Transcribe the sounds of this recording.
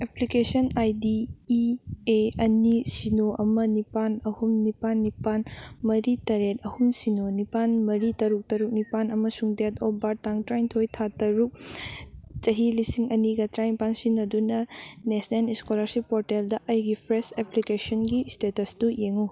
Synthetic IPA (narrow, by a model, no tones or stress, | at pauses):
eplikesɐnajdi | eɐnisinoʔɐmɐnipanɐhumnipanːipanmɐɾitɐɾet̚ɐhumsinonipanmɐɾitɐɾuk̚tɐɾuk̚nipanɐmɐsuŋdetʰɔbaɾ̚taŋtɾajntʰojtʰatɐɾuk̚ | t͡ʃɐɦilisiŋɐniɡɐtɾajnpansinːɐdunɐnesneniskolɐɾsipːoɾteldɐʔɐjɡipʰɾeseplikesɐnɡistetɐsdujeŋu